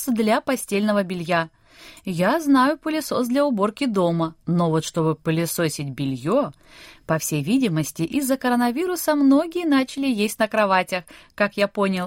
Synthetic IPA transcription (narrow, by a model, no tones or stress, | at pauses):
d̪lʲapɐsʲtʲelʲnəvəbʲɪlʲja | jaznajʊpəlʲɪso̞sd̪lʲɐʊbo̞rkʲɪd̪o̞məno̞vo̞t̪ʂt̪o̞bɨpəlʲɪso̞sʲɪt̚ʲbʲɪlʲjo | pɐfsʲejvʲidʲɪməsʲtʲɪʔɪzːəkəɾənɐvʲiɾʊsəmno̞ɡʲɪjənat͡ɕɪlʲɪjesʲtʲnəkɾɐvatʲəxkakjapo̞nʲɪlˠ